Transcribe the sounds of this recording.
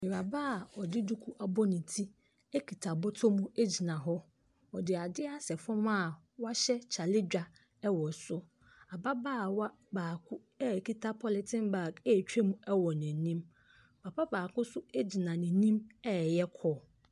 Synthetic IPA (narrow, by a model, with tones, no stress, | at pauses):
mɪ˨ɾa˨ba˦a˨ɔ˨dɪ˦du˦kʰu˦ʔa˨bɔ˦nɪ̃˨tʰi˦ | e˦kʰi˨tʰa˨bɔ˦tʰo˦mũ˦e˦d͡ʑi˨nã˨ɦɔ˦ | ɔ˨dɪ˨a˨dɪ˦a˦sɛ˨fɔ̃˦ma˦˨ | wa˦ɕɛ˦t͡ɕʰa˨lɪ˦d͡ʑᶣa˨ | ɛ˦wɔ˨sʊ˦ | a˨ba˦baː˦˨wa˦ | baː˨kʰʊ˦ | ɛ˦˨ki˦tʰa˦pʰɔ˦lɪ˨tʰɪ̃˦nba˨kɛ˦˨t͡ɕᶣe˦mũ˦ɛ˦wɔ˨nɛ̃˨nĩ˦m | pʰa˨pʰa˦baː˨kʊ˦sʊ˦e˦d͡ʑi˨nã˨nɪ̃˨nĩ˦mɛ˦˨jɛ˦kʰɔː˦˨